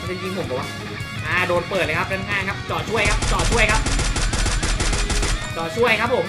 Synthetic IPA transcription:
t͡ɕa˧nki˧˩ŋpʰo˨˩ŋka˨˩wa̰˨˩ | ʔaː˧˩doː˧npɤː˨˩t̪lə˧˩kʰa˥naː˦˥nkʰaː˥˩ŋkʰa˦˥p̚t͡ɕɔː˨˩t͡ɕʰu˥˩əjkʰa˦˥p̚t͡ɕɔː˨˩t͡ɕʰu˥˩əjkʰa˦˥p̚ | t͡ɕɔː˨˩t͡ɕʰu˥˩əjkʰa˦˥p̚ʰːo˨˩˦m

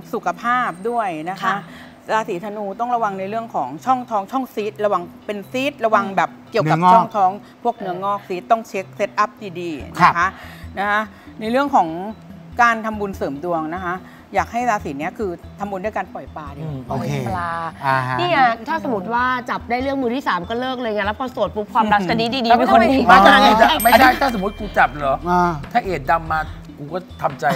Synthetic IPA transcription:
su˨˩kʰa˧pʰaː˥˩p̚du˥˩əjna˦˥kʰa˦˥ | ɾaː˧siː˩˦t̪ʰa˧nuː˧t̪ɔ˥˩ŋɾa˧wa˧ŋna˧jɾɯ˥˩əŋkʰɔː˩˦ŋt͡ɕʰɔ˥˩ŋt̪ʰɔː˦˥ŋt͡ɕʰɔ˥˩ŋsiː˦˥t̪̚ɾa˧wa˧ŋpe˧nsiː˦˥t̪̚ɾa˧wa˧ŋbɛː˨˩p̚ki˨˩ə˦a˨˩t͡ɕːʰɔ˥˩ŋt̪ʰɔː˦˥ŋ | pʰu˥˩ək̚nɯ˧ɐŋɔː˥˩k̚siː˦˥t̪ːɔ˥˩ŋt͡ɕʰe˦˥k̚se˦˥t̪̚ʔa˦˥˩p̚diː˧diː˧na˦˧˥kʰa˦˥na˦˥kʰa˦˥ | na˧jɾɯ˥˩əŋkʰɔː˩˦ŋ | kaː˧nt̪ʰa˧mbu˧nsɤː˩˦mdu˧əŋna˦˥kʰa˦˥ | jaː˨˩k̚ha˥˩jlaː˧siː˨˩˦ni˦˥ɐkʰɯː˧t̪ʰa˧mbu˧ndu˥˩jkaː˧npɔ˨˩jpaː˧di˧˩o˧˩˧kʰe˧laː˧a˧niː˥˩ŋa˦˧˥t̪ʰaː˥˩so˩˦mu˨˦˥t̪̚waː˥˩t͡ɕa˨˩p̚daː˥˩jɾɯ˥˩əŋmɯː˧t̪ʰiː˥˩saː˩˦mkɔː˥˩lɤː˥˩k̚lɤː˧jŋa˦˥˩lɛ˦˥pʰɔː˧su˨˩ət̪̚pʰu˦˥kʰwaː˧mɾa˦˥a˧diː˧diː˧diː˧˥e˧ko˧a˧˩a˥a˧a˧a˧˥ma˥˩˨t͡ɕʰa˥˩jt̪ʰaː˥˩s̬o˩˦mu˦˥t̪̚kuː˧˩t͡ɕa˨˩p̚lɔː˨˦˧t̪ʰaː˥˩ʔeː˨˩t̪̚da˧mːaː˧ | kuː˧kɔː˥˩t̪ʰa˧mt͡ɕa˧j

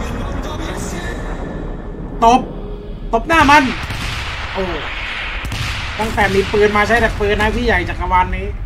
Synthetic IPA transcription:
t̪o˨˧˦p̚ | t̪o˨˩p̚naː˥˩ma˧˥˨n | ʔoː˨˩ | t̪a˥˩ŋt̪ɛː˨˩miː˧pɯː˧nmaː˧t͡ɕʰa˦˥jt̪a˨˩pɯː˧nːaː˧˥˩t̪ʰiː˥˩ja˨˩jt͡ɕaː˨˩k̚a˧waː˧nmiː˦˥

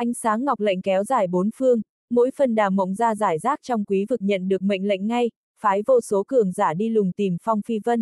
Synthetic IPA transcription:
ʔa˧jŋ̟saː˨˦ŋːa˨˩wk͡p̚lə̰˧˨jŋ̟kɛ˨˦wzaː˧˩jɓo˨˦nfɨ˧əŋ | mo̰˧˥jfə˨˩nɗaː˨˩mːə̰˧˨wŋ͡mzaː˧zaː˧˩jzaː˦˥k̚t͡ɕɔ˧wŋ͡mkwi˨˦vɨ˨˩k̚ɲə̰˧˨nɗɨ˨˩ək̚mə̰˧˨jŋ̟lə̰˧˨jŋ̟ŋa˧j | faː˨˦jvo˧so˨˦kɨ˧˩əŋzaː˧˩ɗi˧lʊ˨˩ŋ͡mt̪i˨˩mfɔ˧wŋ͡mfi˧və˧n

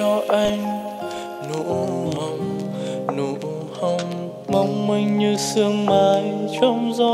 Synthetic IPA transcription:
ɔ˧ʔa˧jŋ | nu˧˨hə˧˩wŋ͡mnu˧˦ | hə˧wŋ͡m | ma˧wŋ͡mmi˧ŋ̟ɲɨ˧sɨ˧əŋmaː˨˦jt͡ɕɔ˧wŋ͡mzɔ˧

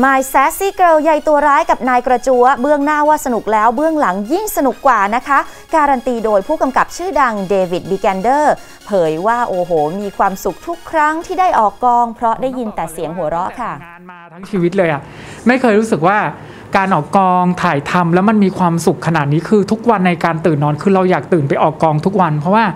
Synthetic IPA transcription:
maː˧jsɛː˦˥siː˥˩kɾɤː˧ja˧jt̪u˧ɐɾaː˦˥jka˨˩p̚naː˧jkɾa˧t͡ɕu˧˥əbɯ˥˩əŋnaː˥˩waː˥˩sa˧nu˨˩k̚lɛː˦˥wbɯ˥˩əŋla˩˦ŋji˥˩ŋsa˧nu˨˩kːwaː˨˩na˦˥kʰa˦˥ʔ | kaː˧ɾa˧nt̪iː˧doː˧jpʰuː˥˩ka˧mka˨˩p̚t͡ɕʰɯː˥˩da˧ŋdeː˧wi˨˩t̪̚biː˧kɛː˧ndɤː˥˩ | pʰɤː˩˦jwaː˥˩ʔoː˨˩ɦoː˨˩miː˧kʰwaː˧msu˨˩k̚t̪ʰu˦˥kʰːɾa˦˥ŋt̪ʰiː˥˩daː˥˩jʔɔː˨˩kːɔː˧ŋpʰɾɔ˦˥daː˥˩jːi˧nt̪ɛː˨˩si˩˦əŋɦu˩˦ɐɾɔ˦˥ʔkʰa˥˩˧ | t̪ʰa˦˥ŋt͡ɕʰiː˧wi˦˥t̪̚lɤː˧jʔa˨˩ʔ | ma˥˩jkʰɤː˧jɾuː˦˥sɯ˨˩k̚waː˥˩ | kaː˧nʔɔː˨˩kːɔː˧ŋt̪ʰaː˨˩jt̪ʰa˧mlɛː˦˥wma˧nmiː˧kʰwaː˧msu˨˩kʰːa˧na˨˩t̪̚niː˦˥kʰɯː˧t̪ʰu˦˥k̚wa˧nːa˧jkaː˧nt̪ɯː˨˩nːɔː˨˧˥nkʰɯː˧ɾa˧wjaː˨˩k̚t̪ɯː˨˩npa˧jʔɔː˨˩kːɔː˧ŋt̪ʰu˦˥k̚wa˧npʰɾɔ˦˥waː˥˩

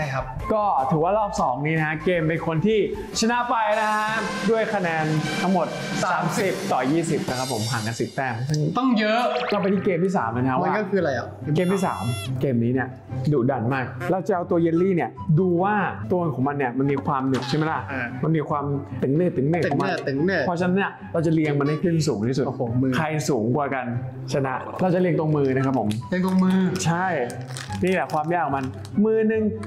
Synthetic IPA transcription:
a˥˩jkʰa˦˥p̚ | kɔː˥˩t̪ʰɯː˩˦waː˥˩lɔː˥˩p̚sɔː˩˦ŋniː˦˥na˦kʰa˦˥keː˧mna˧jkʰo˧nt̪ʰiː˥˩ | t͡ɕʰa˧na˦˥pa˧jna˦˥kʰa˦˥du˥˩əjkʰa˧nɛː˧nt̪ʰa˦˥ŋmo˨˩t̪̚ | ssaː˩˦msi˨˩p̚t̪ɔː˨˩jiː˥˩si˨˩p̚na˦˥kʰa˦˥pʰːo˩˦mɦaː˨˩˦nkaː˧nsi˨˩t̪ːɛː˧˥˩sɯ˥˩ŋt̪ɔ˥˩ŋjɤ˦˥lɔ˧˩p̬a˧jt̪ʰiː˥˩keː˧mt̪ʰiː˥˩sa̰ː˩˦ma˧na˧ka˦˥mwa˧a˥kɔ˥˩kʰɯː˧ɾa˧ja̰˨˩keː˧mt̪ʰiː˥˩sa̰ː˩˦mkeː˧mniː˦˥ni˥˩ə | duː˨˩da˨˩nmaː˥˩k̚lːwt͡ɕa˨˩ʔa˧wt̪u˧ɐje˧˥liː˥˩ni˥˩ɐduː˧waː˥˩t̪u˧nkʰɔː˩˦ma˧nːi˥˩ɐma˧nmiː˧kʰwaː˧mne˨˩k̚ʰa˥˩ma˦˥jla˧˥˩ma˧nmiː˧kʰwaː˧mt̪ɯ˩˦ŋnɯː˥˩t̪ːɯ˨˩˦nɯ˧˥˩k̪ʰːɔ˧˦ma˧˥˩t̪ɯ˩˦ŋnʰ˥˩ɔ˦˥t͡ɕʰa˧na˦nːi˥ɐ | ɾa˧wt͡ɕa˨˩li˧əŋma˧nha˥˩jkʰɯ˥˩ns̬uː˨˩˦ŋt̪ʰiː˥˩su˨˩tːkʰa˧jsuː˩˦ŋkwaː˧˩ka˧n | t͡ɕʰa˧˩na˦˥ʔ | ɾa˧wt͡ɕa˨˩li˧əŋt̪o˧əŋmɯː˧na˦kʰa˦˥pʰːo̰˩˦mli˧ŋt̪o˧ŋmɯː˧t͡ɕʰa˥˩j | niː˥˩lɛ˨˩kʰwaː˧mjaː˥˩kʰːɔ˨˩˦ma˧n | mɯː˧nɯ˧ŋ

